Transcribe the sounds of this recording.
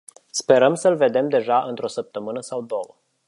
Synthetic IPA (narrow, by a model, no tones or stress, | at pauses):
spe̞ɾəmsəlve̞d̪e̞md̪e̞ʒaʔɨnt̪ɾo̞səp̚t̪əmɨnəsawd̪o̞wə